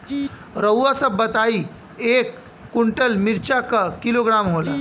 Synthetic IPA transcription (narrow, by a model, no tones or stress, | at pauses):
ɾəwʋasəbːət̪ai | ekː | uɳʈəlmiɾt͡ɕakəkiloɡɾamɦola